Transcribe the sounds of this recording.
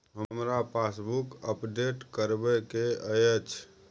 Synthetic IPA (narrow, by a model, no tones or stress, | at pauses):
ɦəmɾapʰasbukəpɖeʈkəɾbɛkeəjət͡ʃʰ